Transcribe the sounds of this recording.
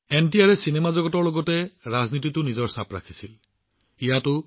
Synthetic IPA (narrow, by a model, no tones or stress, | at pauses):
entiaɹɛsinemazɔɡɔtɔɹloɡɔtɛɹaznititʊnizɔɹsapɹa̰kʰi̥sil | ijatʊ